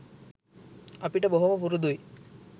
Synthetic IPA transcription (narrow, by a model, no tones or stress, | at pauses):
apiʈaboɦomapuɾud̪uj